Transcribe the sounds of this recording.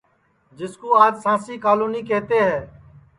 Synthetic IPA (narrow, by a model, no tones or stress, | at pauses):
d͡ʒɪskoːaːd͡ʒsãːsiːkaːluːniːkeːt̪eːɦɛː